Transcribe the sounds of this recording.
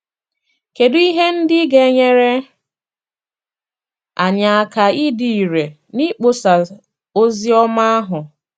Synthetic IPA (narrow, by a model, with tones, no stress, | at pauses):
ke˨dʊ˦i˦ɦe˦n̩˦dɪ˦ɡe˨˦ɲe˦ɾe˦ | a˨ɲa˨a˨ka˨i˦di˨i˨ɾe˨ | ni˦k͡po˨sa˨ | o˦zi˦ɔ˦ma˦a˦ɦʊ˨